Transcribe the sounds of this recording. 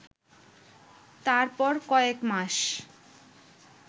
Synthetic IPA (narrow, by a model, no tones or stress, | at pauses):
t̪aɾpɔɾkɔekmaʃ